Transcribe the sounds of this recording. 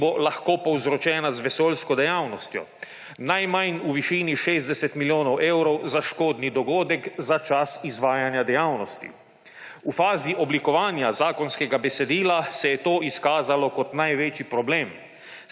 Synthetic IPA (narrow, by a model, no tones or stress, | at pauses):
bolaxkoːpɔwzɾɔt͡ʃɛːnazʋɛsoːlskɔd̪ɛjaːwnɔst̪jɔ̰ | najmajnuʋiʃiːniʃeːzd̪ɛsɛt̪miljoːnɔwʔewɾɔwzaʃkoːd̪nid̪ɔɡoːd̪ɛkzat͡ʃasizʋaːjanjad̪ɛjaːwnɔst̪ḭ | ufaːziʔɔblikɔʋaːnjazaːkɔnskɛɡabɛsɛd̪iːlasɛjɛt̪oːʔiskaːzalɔkɔt̪najʋet͡ʃipɾɔbleːm